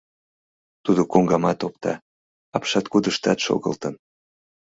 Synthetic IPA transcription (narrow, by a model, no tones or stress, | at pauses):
t̪ud̪okoŋɡɑmɑt̪op̚t̪ɑ | ɑpʃɑt̪kud̪əʃt̪ɑt̪ʃo̰ɣə̰lt̪ən